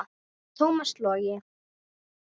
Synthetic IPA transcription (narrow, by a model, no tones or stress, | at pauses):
t̪ʰoːwmaslɔɾjɪ